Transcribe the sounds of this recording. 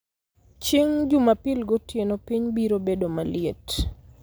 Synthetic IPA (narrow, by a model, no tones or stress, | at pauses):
t͡ʃiŋd͡ʒumapɪlɡotjenopiɲbiɾobedomalɪet